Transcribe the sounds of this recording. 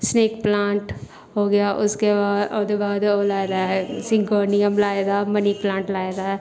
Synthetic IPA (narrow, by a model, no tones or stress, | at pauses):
sneːkplãːɳʈ | ɦoːɡɐjaʔʊskeaod̪ebaːd̪oːlaːed̪aɦɛsɪ̃ŋɡoːnijəmlaːed̪aːmɐniplãːɳʈlaːed̪aɦɛ